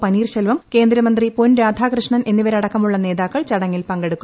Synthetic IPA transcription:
pɐniːrɕɐlʋɐmke̞ːnd̪ɾɐmɐnd̪riponɾaːd̪ʱaːkrɨʂɳɐne̞nːiʋɐɾɐɽɐkːɐmuɭːɐne̞ːðaːkːɐɭt͡ɕɐɽɐŋːilpɐŋɡe̞ɽukːu

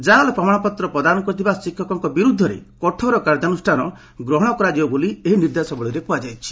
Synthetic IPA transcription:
d͡ʒalɔpɾɔmaɽ̃ɔpɔt̪ɾɔpɾɔd̪anɔkɔɾit̪ʰibasikʰːɔkɔŋkɔbiɾud̪ʱːɔɾḛkɔʈʰɔɾɔkaɾd̪anusʈʰanɔ | ɡɾɔɦɔɽ̃ɔkɔɾad͡ʒiɔbolieɦiniɾd̪asɔbɔɭiɾekuad͡ʒajt͡ʃʰi̥

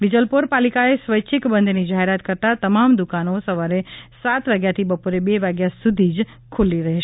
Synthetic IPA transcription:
ʋid͡ʒəlpoɾpalikaesʋəjt͡ʃʰikbə̃nd̪ʱnid͡ʒaɦeɾat̪kəɾt̪at̪əmamd̪ukanosəʋaɾesat̪ʋaɡjat̪ʰibəpoɾebeʋaɡjasud̪ʱid͡ʒ | kʰuliɾəɦeʃ

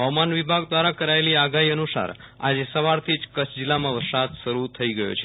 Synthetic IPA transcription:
ɦəʋmanʋibʱaɡd̪ʋaɾakəɾaeliaɡaɦiənusa̰ɾ | a̰d͡ʒesəʋaɾt̪ʰid͡ʒkət͡ʃʰd͡ʒilːamãʋəɾsat̪ʃəɾut̪ʰəiɡəjo̰t͡ʃʰe

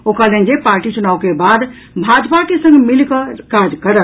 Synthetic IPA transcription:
okalẽnd͡ʒepaɾʈit͡ʃunaːwkebad̪ | bʱad͡ʒpaʈisə̃ŋɡmilkəkad͡ʒkəɾə

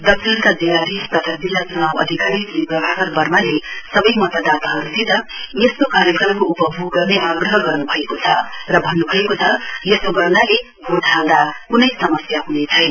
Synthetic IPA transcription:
d̪ʌksʰinkad͡zilːad̪ist̪ʌt̪ʰad͡zilːasunabʌ̰d̪ʱikaɾiklipʌbʱakʌɾbʌrmalesʌbʌjmʌt̪ad̪at̪aɦʌɾusʰit̪ʌjeskokaɾjekrʌmkoupʌbʱuɡʌneʔaɡrʌɦʌɡʌrnubʱʌekot͡sʰʌrʌbʱʌnːubʱʌekot͡sʰʌjesoɡʌrnale | ɡʱoʈʰãwd̪akunʌjsʌmʌsjaɦunet͡sʰʌj

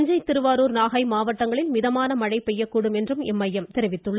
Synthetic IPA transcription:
ɲd͡ʒɐɪt̪ɪɾɯʋaːɾoːɾnaːɣɐɪmaːʋɐʈːɐŋɡɐɭɪlmɪðɐmaːnɐmɐɻɐɪpɛjːɐkːuːɽɯmɛndrɯmɛmːɐjːɐmt̪ɛɾɪʋɪt̪ːɯɭːɐ

